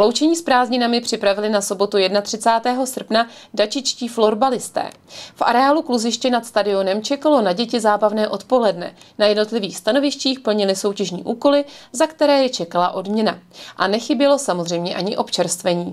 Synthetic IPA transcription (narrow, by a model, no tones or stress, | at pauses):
vlo̞wt͡ʃɛɲiːspɾaːzɲɪnamɪpr̝̥ɪpɾavɪlɪnaso̞bo̞t̪ujɛdnat̪r̥ɪt͡saːt̪ɛːɦo̞sr̩pnadat͡ʃɪt͡ʃciːflo̞ɾbalɪst̪ɛ̰ːfʔa̰ɾɛaːlukluzɪʃcɛnat̪st̪adɪo̞nɛmt͡ʃɛkalo̞naɟɛcɪzaːbavnɛːʔo̞t̪po̞lɛdnɛ̰najɛdno̞t̪lɪviːxst̪ano̞vɪʃciːxpl̩ɲɪlɪso̞wcɛʒɲḭːʔuːko̞lɪzakt̪ɛɾɛːjɛt͡ʃɛkalaʔo̞dmɲɛnaʔanɛxɪbjɛlo̞samo̞zrɛjmɲɛʔaɲɪʔo̞pt͡ʃɛɾst̪vɛɲiː